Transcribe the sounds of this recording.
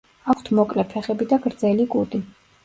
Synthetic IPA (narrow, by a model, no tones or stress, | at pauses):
akʰt̪ʰmɔkʼlɛpʰɛχɛbid̪aɡɾd̪zɛliɡʼud̪ʼi